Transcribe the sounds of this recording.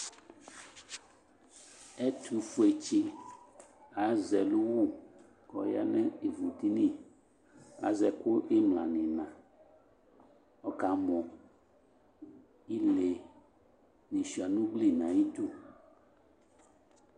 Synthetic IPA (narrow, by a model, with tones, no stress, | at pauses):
ɛ˦t̪ʰu˨fo˨˦e˨t͡ʃi˦ | a˨zɛ˨lu˦wu˦ | kɔ˨ja̰˦nɛ̃˦e˨vu˨t̪i˦nĩ˦˨ | a̰˨˦zɛ˨ko˦ʔe˦mlã̰˨nɛ̃˨nã˨ | ɔ˦ka˨mɔ̃˨ | i˦le˨ | nĩ˨ʃi˨a˨nũ˦ɡ͡bli˦nã˨ji˦t̪u˦˨